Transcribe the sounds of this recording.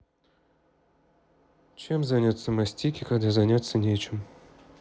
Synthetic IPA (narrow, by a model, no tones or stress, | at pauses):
t͡ɕemzanʲat̪sːəmasʲtʲikʲɪkad̪azanʲat̪sːənʲet͡ɕɪm